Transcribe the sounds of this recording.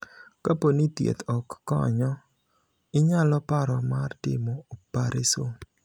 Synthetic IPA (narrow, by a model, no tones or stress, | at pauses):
kaponit̪jḛt̪ɔkːɔ̰ɲɔ | ɪɲalɔpaɾɔmartɪ̰mɔopaɾɪso